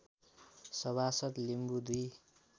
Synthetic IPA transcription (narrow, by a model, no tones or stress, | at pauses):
sʌβasʌt̪limbud̪i